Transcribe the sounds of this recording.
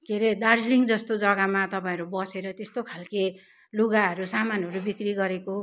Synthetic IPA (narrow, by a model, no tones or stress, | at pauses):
keɾed̪ard͡zliŋɡd͡zʌst̪od͡zʌɡamat̪ʌpãĩɾubʌseɾʌt̪est̪okʰalke | luɡaɦʌɾusamanɦʌɾubikriɡʌɾeko